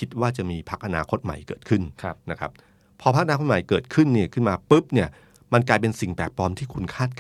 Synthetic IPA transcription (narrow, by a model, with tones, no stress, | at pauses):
kʰi˦˥t̪̚waː˥˩t͡ɕa˨˩ʔmiː˧pʰa˦˥k̚ʔa˧naː˧kʰo˦˥t̪̚ma̰˨˩jkɤː˨˩t̪̚kʰɯ˥˩nʰ˦na˦˥kʰa̰˦˥p̚ʰː | ɔː˧a˦˥k̚ʔa˧naː˧kʰo˥t̚ma˨˩jkɤː˨˩t̪̚kʰɯ˥˩nːi˥˩ɐkʰɯ˥˩nmaː˧pɯ˦˥p̚ni˥˩ɐ | ma˧nk̬laː˧jpe˧nsi˨˩ŋpɛ̰ː˨˩p̚pɔː˧mt̪ʰiː˥˩kʰu˧nkʰaː˥˩t̪̚ka